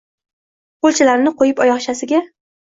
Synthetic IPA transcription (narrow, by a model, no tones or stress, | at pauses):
qolˠt͡ʃʰɪlaɾnɪqojɪpɒjɒχʃasɪɡʲa